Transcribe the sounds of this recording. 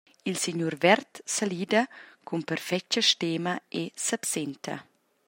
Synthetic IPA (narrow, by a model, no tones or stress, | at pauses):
ilsiɲuɾvɛɾt̪saliːd̪ɐkʰumpɛɾfɛt͡ʃəʃt̪eːmɐesapsent̪ʰɐ̰